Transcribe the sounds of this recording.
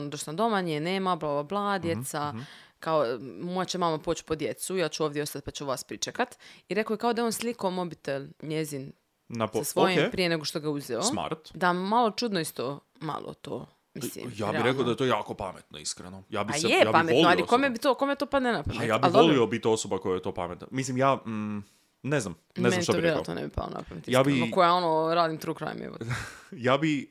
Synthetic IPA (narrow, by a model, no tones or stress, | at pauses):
nod̪oʃnad̪o̞maɲeneːmablˠabablˠaad̪jet̪sakaomojat͡ɕemamapoːt͡ɕpod̪jet̪sujaːt͡ɕuoːʋd̪jeost̪at̪̚pat͡ɕuʋaːspɾit͡ʃekat̪iɾekojekao̞d̪ajonslikomobit̪elɲezin | nsasʋojimpɾijeneɡoʃt̪o̞ɡauzeoma̰ɾt̪d̪amalo̞t͡ʃud̪noist̪o | ma̰lˠʔo̰t̪o̰ː | mislḭmjaiɾekaod̪ajet̪oːjaːkopamet̪noiskɾḛnojaːbiajejaːpaameolnoialikomebit̪okomet̪opad̪nenapɾajaːbailoliobit̪iosobakojajet̪o̞ːpa̰met̪no̰mislimjaː | neznam | neznanit̪aoiɾveɾoa̰t̪no̰nḛbipa̰lˠo̰na̰pɾanṵt̪ijaaːkbienokojao̞noɾaːd̪imt̪ɾuːkɾa̰j̰mḛo̰jaːbi